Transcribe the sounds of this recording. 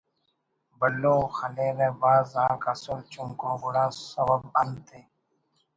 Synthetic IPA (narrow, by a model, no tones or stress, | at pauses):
bɐlːõːxɐleːɾeːbaːzãːkɐsult͡ʃuŋkõːɡʊɽãːsɐbəbɐnt̪ʰeː